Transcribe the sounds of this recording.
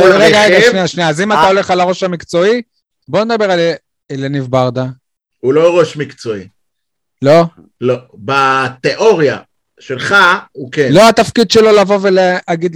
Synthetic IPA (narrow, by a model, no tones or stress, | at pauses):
ʁeɡaʁeɡaʃniaʃniaːzimattao̞le̞χalaʁo̞ʃhamikt͡so̞i | bo̞ned̪abe̞ʁale | elenivbaʁd̪a | uloʁoʃmikt͡so̞i | lo̞ | lobat̪eʔoʁja̰ | ʃelχaukelo̞at̪afkid̪ʃelo̞lavo̞veleaɡid̪l